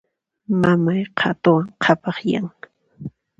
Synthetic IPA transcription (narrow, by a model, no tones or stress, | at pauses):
mamajqʰɑt̪ʊwaŋqʰɑpɑχjaŋ